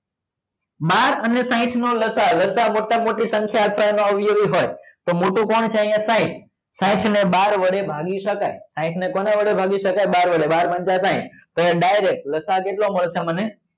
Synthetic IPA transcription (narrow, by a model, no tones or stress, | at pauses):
maɾənesãɪ̃ʈʰnoləsaləsamoʈamoʈisə̃ŋkʰjaəd̪fʰajnõəʋjuʋiɦojt̪omoʈũkɔɳt͡ʃʰeĩjãsãɪ̃ʈʰ | sãɪ̃ʈʰneɓaɾʋəɽebʱaɡiʃəkajsãɪ̃ʈʰnekoneʋəɽebʱaɡiʃəkajɓaɾʋəɽeɓaɾmənd͡ʒasãɪ̰̃ʈʰp̪əẽɖajɾek̚ʈləsakeʈlõmoləsaməne